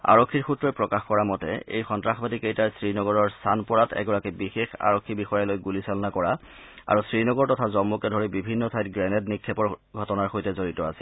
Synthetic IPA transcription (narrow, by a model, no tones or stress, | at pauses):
a̰ɹokʰːiɹxutɹɔjpɹɔkaxkɔɹamɔtɛ̰ḛjxɔntɹaxbadikejtaɹsɹinɔɡɔɹɔɹstʰanpɔɹatɛ̰ɡɔɹakibixexa̰ɹokʰːibixɔjalojɡulisɔlɔnakɔɹa | a̰ɹusɹinɔɡɔɹtɔtʰazɔmːukɛdʱoɹibibʱinːɔtʰajtɡɹɛnɛtnikʰːɔpɔɹɡʱɔtɔnaɹxojtɛzoɹitɔasi̥l